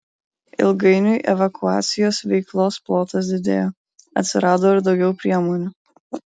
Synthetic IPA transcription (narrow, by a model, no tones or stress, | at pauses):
ɪ̰lˠɡɐɪnʲʊɪʔɛ̰ʋɐkʊɑ̰ːt̪sʲɪjoːsʋʲɛɪklˠoːsplˠoːt̪ɐs̬d̪ʲɪd̪ʲḛːjoː | ɐt̪ʲsʲɪɾɑːd̪oːɪɾd̪ɒʊɡʲɛʊpʲɾʲiɛmoːnʲuː